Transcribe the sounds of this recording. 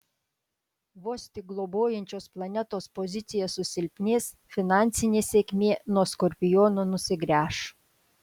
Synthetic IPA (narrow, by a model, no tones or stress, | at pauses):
ʋoːsʲt̪ʲɪɡlˠɔboːjɛnʲt͡ʃʲoːsplˠɐnʲɛt̪oːspɔzʲɪt̪sʲɪjɛsʊsʲɪlʲpʲnʲeːs | fʲɪnɑˑnʲtsʲɪnʲeːsʲeːkʲmʲeːnuɔskɔɾʲpʲɪjɔːnoːnʊsʲɪɡɾʲæːʃ